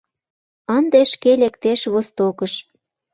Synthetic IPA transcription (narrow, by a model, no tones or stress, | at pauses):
ənd̪eʃkelekt̪eʃβost̪okəʃ